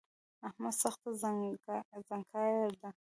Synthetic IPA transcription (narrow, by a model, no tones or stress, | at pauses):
ahmad̪saxt̪a | zaŋkʰɑjaɾd̪a